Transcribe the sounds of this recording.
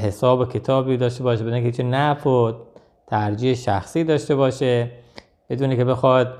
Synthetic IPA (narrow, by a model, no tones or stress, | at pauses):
hesɒːbokʰe̞t̪ʰɒːbiːd̪ɒːʃte̞bɒːʃebed̪unkʰʲeit͡ʃʰenæfo | t̪ʰæɾd͡ʒiːheʃæxsiːd̪ɒːʃt̪e̞βɒːʃe | b̥e̞d̪uːnekebe̞xɒːd̪̚